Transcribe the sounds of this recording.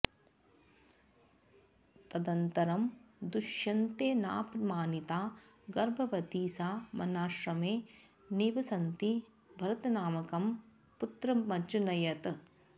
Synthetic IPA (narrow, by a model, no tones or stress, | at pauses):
t̪ɐd̪ɐnt̪ɐɾɐmd̪uʃjɐnt̪eːna̰ːpmaːnit̪aː | ɡɐɾbʱɐʋɐt̪iːsaːmɐnaːʂɾɐmeː | nibɐsɐnt̪i | bʱɐɾɐt̪ɐnaːmɐkɐm | put̪ɾɐmɐt͡ʃunɐjɐt̪